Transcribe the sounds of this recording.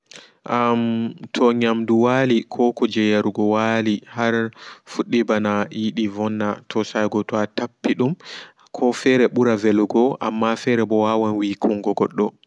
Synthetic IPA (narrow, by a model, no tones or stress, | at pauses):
ʔamtʰɔɲamduwalikʰɔkɔd͡ʒɛjaɾuɡɔwalihaɾfuɗːibanaiɗivɔnːatʰɔsajɡɔtɔatapːiɗum | kʰɔfɛɾɛɓuɾavɛluɡɔʔa̰mːafɛɾɛɓɔwawanwikʰuŋɡɔɡɔɗːɔ